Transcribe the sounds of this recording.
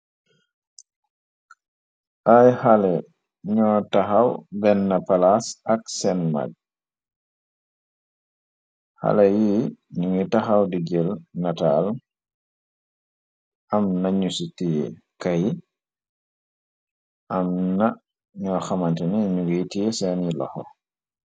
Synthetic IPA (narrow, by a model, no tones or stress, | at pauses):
ʔajhalɛ | ɲɔtaxawbɛnːɐpalasɐksɛnma̰ɡ̚ | ha̰lɛjiɲuŋitaxawdiɡɛlnatal | ʔamnaɲusitijɛ̰kaji | ʔamna | ɲɔxamantɛniɲuɡitijɛsɛnilɔ̰xɔ̰